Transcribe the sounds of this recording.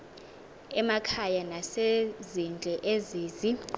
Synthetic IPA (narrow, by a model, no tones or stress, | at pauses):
ɛmakʰajanasezind͡ɮʱɛʔeziːzi